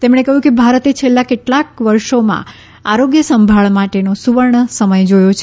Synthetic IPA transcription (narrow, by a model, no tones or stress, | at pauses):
t̪emɽ̃ekəɦjũkebʱaɾət̪et͡ʃʰelːakeʈlakʋəɾʃomã̰ | aɾoɡjəsəmbʱaɭmaʈenosuʋəɾɳəsəməjd͡ʒojot͡ʃʰ